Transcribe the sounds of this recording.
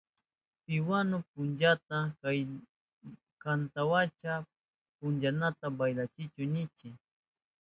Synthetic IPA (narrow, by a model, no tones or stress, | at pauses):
pɪwanop̚ʊnd͡ʒat̪akaj | kant̪awat͡ʃa | pʊnd͡ʒanat̪abajlat͡ʃɪt͡ʃʊnɪt͡ʃɪ